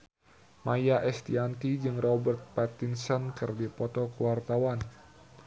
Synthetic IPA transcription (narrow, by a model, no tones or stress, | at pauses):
majaʔɛst̪iant̪id͡ʒɨŋrɔbərt̪̚pɛt̪insɔnkɨrdipɔt̪ɔkəwart̪awan